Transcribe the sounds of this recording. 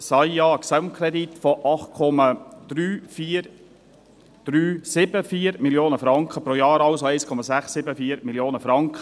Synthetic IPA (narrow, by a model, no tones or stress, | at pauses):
sɑjɑːksaʊmkʰɾɛd̪it̪fɔʔɑχt̚kʰɔmɑd̪̥ɾyːfiːɾ | d̪̥ɾyːsɪbəfiːəɾmiljoːnəfɾɑŋkχəpɾoːjɑːɾɑʊsoæɪskʰɔmɑsæχsːɪbəfiːəɾmiljoːnəfɾɑŋkχə